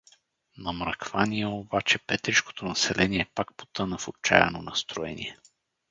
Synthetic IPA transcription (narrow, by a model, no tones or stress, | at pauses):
nɐmɾəkvaniɛobat͡ʃɛpɛt̪ɾiʃko̥t̪onɐsɛlʔɛniɛpak̚po̥t̪ənəfot͡ʃa̰jɛ̰nonɐst̪ɾoɛ̰nʲḭɛ